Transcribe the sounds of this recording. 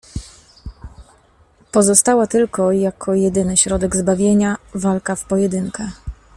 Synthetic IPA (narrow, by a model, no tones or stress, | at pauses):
pɔzɔst̪awat̪ɘlkɔjakʰɔjɛd̪ɘnɘɕɾɔd̪ɛɡzbavʲjeɲavalkafpɔjɛd̪ɘŋkɛ